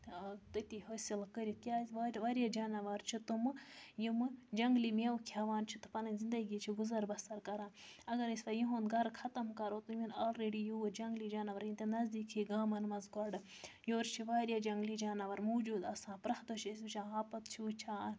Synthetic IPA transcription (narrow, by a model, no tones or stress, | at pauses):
t̪ɨt̪ihoːsilkəɾit̪ʲjaːʋaɾʋaɾjad͡ʒaːnɐʋɐɾt͡ʃʰit̪umɨjimɨd͡ʒɐŋɡlimiɐwkʰiɐʋaːnt͡ʃʰi̥t̪ɨ̥pɐnɐzind̪ɐɡiːt͡ʃʰiɡuzɐɾbɐst̪ɐɾkɐɾaːnɐɡɐɾisʋɐjiɦonɡɐɾxʰɐt̪ɐmkɐɾot̪uminaːlɾeɖijuwɐd͡ʒɐŋɡlid͡ʒaːnɐʋɐɾjint̪enɐzd̪iːkʰiɡaːmɐnmɐzɡɐɖɨ | joːɾt͡ʃʰiʋaːɾjad͡ʒɐŋɡlid͡ʒaːnɐʋɐɾmuːd͡ʒuːd̪ɐsãːnpɾɐxd̪ot͡ʃʰisbɨt͡ʃʰãːaːpɐt̪t͡ʃʰiut͡ʃʰaːn